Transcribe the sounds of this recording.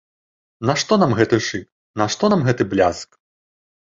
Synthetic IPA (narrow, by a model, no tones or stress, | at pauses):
nɐʂt̪ɔnamɣɛt̪ɨʂɨk | nɐʂt̪ɔnamɣɛt̪ɨblʲa̰sk